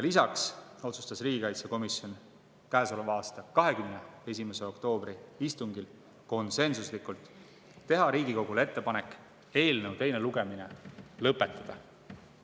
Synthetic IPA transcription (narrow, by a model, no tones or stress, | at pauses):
jɑlisɑkso̞t̪sust̪ɑsriːɡ̥ikɑjt̪seko̞misjo̞n | kæːso̞levɑːst̪ɑkɑɦe̞kymnee̞s̬ʲimese̞o̞kt̪o̞ːb̥ɾiist̪uŋɡil | ko̞nse̞nsuslikːˑult̪ː | e̞ɦɑɾiːɡiko̞ɡ̥ule̞t̪ːe̞pɑne̞kːˑ | e̞ːlne̞wt̪e̞jne̞luɡ̥e̞mine̞lɤpːˑe̞t̪ːˑɑd̪̥ɑ